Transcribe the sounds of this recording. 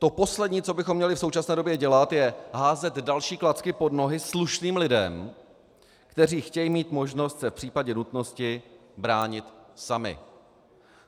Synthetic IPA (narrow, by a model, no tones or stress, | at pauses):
t̪o̞po̞slɛdɲiːt͡so̞bɪxomːɲɛlɪfsowt͡ʃasnɛːdo̞bjɛɟɛlat̪jɛɦaːzɛd̪dalʃiːklat͡skɪpo̞dno̞ɦɪsluʃniːmlɪdɛm | kt̪ɛriːxcɛjimiːt̪mo̞ʒno̞st̪sɛfpr̥iːpaɟɛnut̪no̞scɪbɾaːɲɪt̪samɪ̰